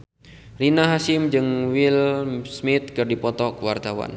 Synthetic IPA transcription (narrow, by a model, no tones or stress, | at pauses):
rinaɦasɪmd͡ʒɨŋwɪlsmɪt̪̚kɨrdipɔt̪ɔkəwart̪awa̰n